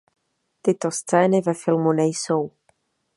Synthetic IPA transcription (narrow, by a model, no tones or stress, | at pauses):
t̪ɪt̪o̞st͡sɛːnɪvɛfɪlmunɛjso̞w